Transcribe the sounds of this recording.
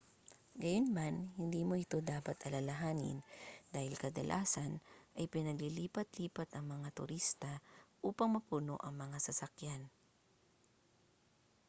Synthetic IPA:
ɡɐjonmanhɪnd̪iːmo̞ʔɪt̪o̞d̪aːpɐt̪ʔɐlalɐɦaːnɪ̰nd̪aːhɪlkɐd̪ɐ̰lʔa̰ːsɐnʔɐjpɪnɐɡliliːpɐt̪̚liːpɐt̪ɐŋmɐŋat̪ʊ̰ɾist̪aʔuːpɐŋmɐpuno̰ʔɐŋmɐŋasɐsɐkjan

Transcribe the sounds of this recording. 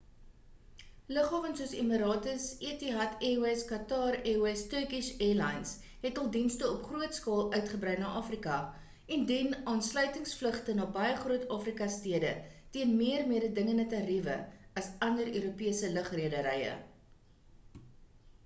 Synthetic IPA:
ləχɑːvənsuəsimiɾɑːtəsiətiɦɐtewɛskɐtɑːrewɛstəkisɛːlɐjns | ɦɛtɑɐlˠdinstəɔpχruətskɑːlˠʔœɥtχəbrɛjnɑːʔɑːfrikɐ | ɛndinɑːnslœɥtəŋsfləχtənɑːbɐjəχruətɑːfrikɐstiədətiənmiərmiəɾədəŋəndətɐrivə̰ɐsɐndəɾøːɾupiəsələχriədəɾɛjə̰

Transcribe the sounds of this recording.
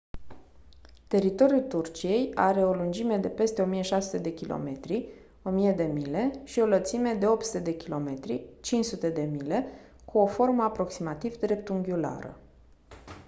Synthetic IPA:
t̪e̞ɾit̪o̞ɾjult̪urt͡ʃije̞jaɾe̞o̞lund͡ʒime̞d̪e̞pe̞st̪e̞o̞mijeʃasu̥t̪e̞d̪e̞kʲilʔo̞̰me̞t̪ɾi | o̞mije̞d̪e̞mile̞ʃio̞lət̪sime̞d̪e̞o̞p̚t̪sut̪e̞d̪e̞kʲilo̞̰me̞t̪ɾḭt͡ʃint͡ʃsut̪e̞d̪e̞mile̞ | kʰuo̞fo̞rməapɾo̞ksimat̪ivd̪ɾe̞p̚t̪uŋɡʲula̰ɾə̰

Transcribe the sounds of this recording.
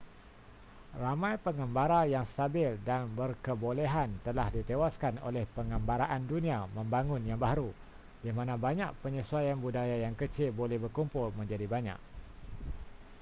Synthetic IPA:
ramãjpəŋəmbaɾajaŋst̪abɪldanbərkəbolɛɦant̪əlahdit̪ewaskano̰lɛhpəŋəmbaɾaʔandunĩamə̃mbaŋʊ̃njaŋbaɦaɾu | jamãnãbaɲaʔ̚pəɲəsuajanbudajajaŋkət͡ʃɪlbolɛhbərkumpʊlmə̃ɲd͡ʒadibaɲã̰ʔ̚

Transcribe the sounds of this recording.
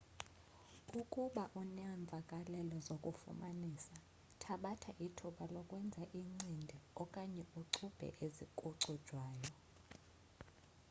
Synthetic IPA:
ukʼuɓaʔunaɱb̪vʱakʼalɛlɔzokʼufṵmanisa | tʰaɓatʰaʔitʰuɓalɔkʼwɛnd͡zʱaʔiŋ͡ǀindʱɛɔkʼaɲɛuǀʰub̥ʱɛ̰ʔezikʼuǀʰud̥ʒ̥ʱwaːjɔ

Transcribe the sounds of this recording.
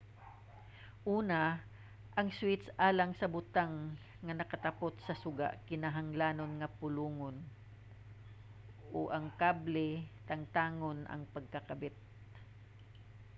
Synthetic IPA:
ʔuːna | ʔɐŋswɪt̪sʔaːlaŋsɐbʊt̪aŋː | ɐnɐkɐt̪ɐpot̪sɐsʊɡa̰ʔkɪnaɦaŋlaːnonŋɐpʊluːŋon | ʔoʔɐŋkablɛt̪ɐŋt̪aːŋonʔɐ̰ŋpɐɡ̚kɐkɐbɪt̪̚

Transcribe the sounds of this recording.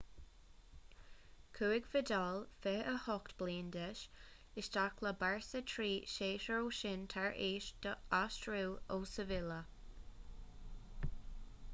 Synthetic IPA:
kʰuːɪɡvɪd̪ɔlfɛəhɔkt̪b̥liːnd̪ɛʃ | ɪʃt̪akʰləbaɹsət̪ʰɹiːʃeːʃəɹoːʃɪnt̪ʰaɹʔeːʃd̪̥əastɹuwoːsəvɪlə

